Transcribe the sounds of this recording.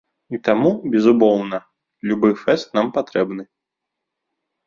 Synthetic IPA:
it̪amubʲɛzumɔwnɐ | lʲubɨfɛst̪nampat̪ɾɛbnɨ

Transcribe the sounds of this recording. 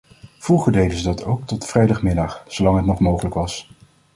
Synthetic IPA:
v̥ruχəɹdejdəzədɑtʰowk̚tɔtfrɛjdɑχmɪdɑχsowlɑŋɦətnɔχmowχələkʋɑs

